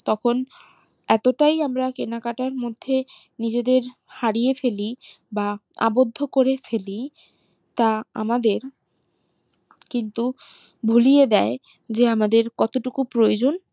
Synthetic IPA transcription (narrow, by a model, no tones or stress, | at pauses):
t̪ɔkʰon | ɛt̪oʈajamɾakenakaʈaɾmod̪ʱːe | nid͡ʑed̪eɾhaɾijefeli | ba | a̰bod̪ʱːokoɾefeli | t̪aa̰mad̪eɾ | kint̪u | bʱulijed̪ɛe | d͡ʑeamad̪eɾkɔt̪oʈukupɾojod͡ʑon